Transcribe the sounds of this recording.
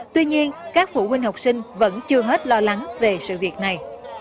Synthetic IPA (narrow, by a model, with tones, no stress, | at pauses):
t̪wi˧ɲi˧ənkaː˦˥k̚fṵ˧˥hwï˧ŋ̟ha˨˩wk͡p̚sï˧ŋ̟və̰˧˥nt͡ɕɨ˧əɦe˦˥t̚lɔ˧la˨˦ŋve˨˩sɨ̰˧˨vi˨˩ət̚na˨˩j